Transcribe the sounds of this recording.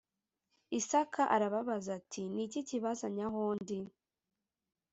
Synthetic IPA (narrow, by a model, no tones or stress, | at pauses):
isakʰaʔaɾaβaβazatʰiniciciβazaɲaɦoːndi